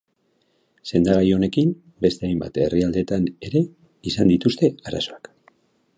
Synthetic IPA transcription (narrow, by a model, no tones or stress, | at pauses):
se̞nd̪aɣajo̞ne̞kim | be̞st̪e̞ajmba̰t̪eriald̪e̞t̪ane̞ɾe̞ | isand̪it̪ust̪e̞aɾa̰so̞ak